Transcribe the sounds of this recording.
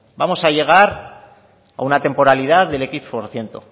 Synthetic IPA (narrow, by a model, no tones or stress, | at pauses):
bamo̞saʝe̞ɣ̞aɾ | a̰unat̪e̞mpo̞ɾaliðaððe̞lekipoɾθje̞nt̪o